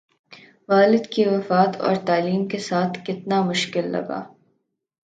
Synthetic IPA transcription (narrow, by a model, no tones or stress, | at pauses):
ʋaːlɪd̪kiʋɐfaːt̪ʰɔ̰ːɾt̪aːliːmkesaːt̪ʰkɪt̪namʊʃkɪlːɐ̰ɡa̰ː